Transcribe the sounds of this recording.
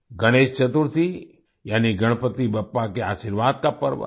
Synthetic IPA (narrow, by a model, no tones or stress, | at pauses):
ɡʱəɽ̃eːʃt͡ʃət̪uɾt̪ʰi | jaːniɡəɽ̃pət̪ibɐpːakeaːʃiɾʋaːd̪̚kapə̰ɾʋə̰